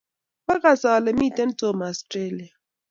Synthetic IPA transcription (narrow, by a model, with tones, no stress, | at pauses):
ba˦ka˦˨sa˨wa˨lɛ˨mi˦˨te˦n̩˦to˦˨m˨a˨stɾe˦˨li˨a˨